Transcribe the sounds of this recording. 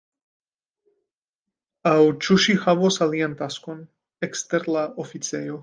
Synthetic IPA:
awt͡ʃuʃixaβosalient̪askon | ekst̪eɾlaʔofit͡sejo

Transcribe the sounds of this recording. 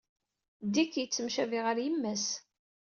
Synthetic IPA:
d̪ikjət͡sːəmʃæviʁəɾjəmːæs

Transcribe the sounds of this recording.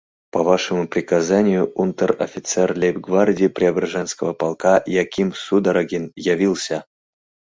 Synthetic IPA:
pɐvaʂəmupɾʲɪkazanʲɪjʊʔunt̪ərɐ̰fʲɪt̪sɛrlʲepɡvardʲɪpɾʲɪɐbɾaʐɛnskəvəpalˠkajakʲimsud̪aɾaɡʲinjavʲilˠsʲə

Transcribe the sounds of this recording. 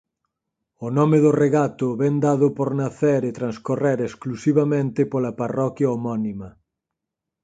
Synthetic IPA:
ʊnɔmeðʊreɣat̪ʊβɛnd̪aðʊpoɾnaθeɾɪt̪ɾanskoreɾesklusiβamẽnt̪ɪpolɐparɔkjaomɔnimɐ

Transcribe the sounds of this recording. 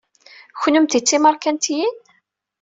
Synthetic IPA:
çʷnəmt̪it͡sːiməɾˤkænt̪jin

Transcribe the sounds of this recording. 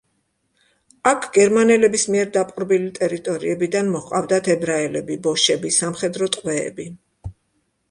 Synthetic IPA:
akʰɡ̥ɛɾmanɛlɛbismiɛɾd̪apʼuɾbilit̪ʼɛɾit̪ʼɔɾḭɛbid̪anmɔχqʼa̰vd̪at̪ʰɛbɾaɛlɛbibɔʃɛbisamχɛd̪ɾɔt̪ʼqʼwɛ̰ːbi

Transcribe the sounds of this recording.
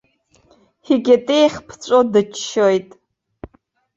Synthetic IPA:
hiɡʲetʼejχʲpʰt͡ɕʷʼodɨt͡ʃʃojtʼ

